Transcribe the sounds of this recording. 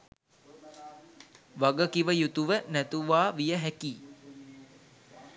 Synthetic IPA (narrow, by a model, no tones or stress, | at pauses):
ʋaɡəkiʋəjut̪uʋənæt̪uʋaːʋijəɦækiː